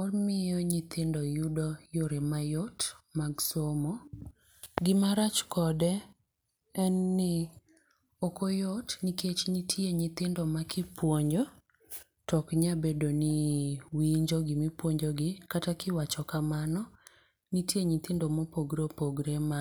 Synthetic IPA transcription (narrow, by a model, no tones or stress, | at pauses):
omɪjɔɲɪt̪ʰɪndɔjudɔjoɾemajotmaɡsomɔ | ɡɪmaɾat͡ʃkɔdɛ | ɛnːɪ | okojotniket͡ʃɲitʰjeɲɪt̪ɪndɔmakʰɪpwoɲd͡ʒo | tɔkɲabedoniwiɲd͡ʒoɡɪmipwoɲd͡ʒoɡɪkatakɪwat͡ʃɔkamanɔ | nitjeɲɪt̪ɪndɔmopoɡɾopoɡɾema